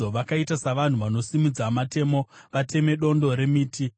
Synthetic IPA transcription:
oʋakaitasaʋan̤uʋano̞simid͡zamate̞mo̞ʋatʰe̞me̞ɗo̞ndo̞ɾe̞miːtʰi

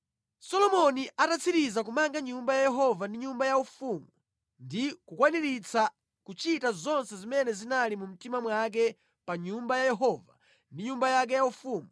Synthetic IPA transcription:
sɔlɔmɔniʔatat͡sʰiɾizak̬umaŋɡaɲumbajajɛɦɔvandiɲumbajaufuːmu | ndikukwaniɾit͡sʰa | kut͡ʃitazɔnsɛzimɛnɛzinalimum̩timamwak̬ɛ | paɲumbajajɛɦɔva̰ | ndiɲumbajak̬ɛjaufuːmu

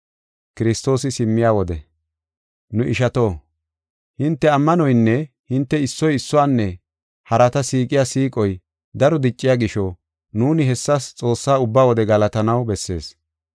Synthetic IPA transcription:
kɪɾɪst̪o̞ːsɪsɪmːɪjaːwɔd̪ɛ̰ | nʊʔɪʃɐt̪o̞ː | hɪnt̪ːɛɐmːɐnɔjnːɛ | hɪnt̪ːɛɪsːɔjɪsːɔwaːnːɛ | hɐɾɐt̪ɐsiːkʼɪjaːsiːkʼɔj | d̪ɐɾɔd̪ɪt͡ʃʼːɪjaːɡɪʃɔ | nuːnɪɦɛsːɐst͡sʼo̞ːsːaːʊbːaːwɔd̪ɛɡɐlɐt̪ɐnɐwbɛsːe̞̰ːs

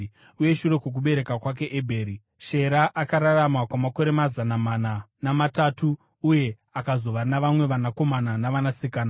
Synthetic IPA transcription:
uje̞ʃure̞kwok̬uɓe̞ɾe̞kakwak̬e̞ʔebʱeːɾi | ʃe̞ɾaʔakaɾaramakwamako̞ɾe̞mazanamananamatatuː | je̞ | akazo̞ʋanaʋamwe̞ʋanako̞mananaʋanasikaːna

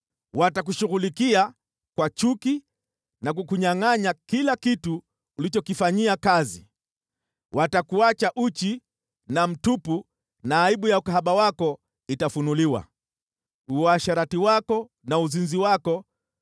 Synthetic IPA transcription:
watak̬uʃuɣulikia | kwat͡ʃuki | nak̬ukuɲaŋaɲakilakituː | lit͡ʃɔkifaɲiakazi | wʔatakuat͡ʃaʔut͡ʃi | nam̩tupu | naːiɓujaukaɦaɓawakɔ | itafunuliwa̰ | uaʃaɾatiwakɔ | nauzinziwakɔ

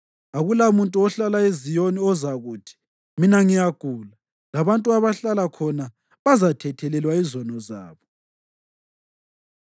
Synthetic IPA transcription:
aɣulamuntʼuɔɬalaezijoniɔzaɣuːtʰi̥ | minaŋijaɡ̥ʱuːla | laβantʼuaβaɬalakʰɔna | βazatʰɛtʰɛlɛlwaizɔnɔza̰ːβɔ

